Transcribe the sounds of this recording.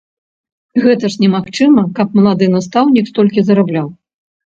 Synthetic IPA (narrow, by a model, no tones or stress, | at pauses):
ɣɛt̪ɐʂnʲɛmaxt͡ʂɨmɐkɐp̚mɐlˠad̪ɨnast̪awnʲikst̪ɔlʲkʲizɐɾablʲaw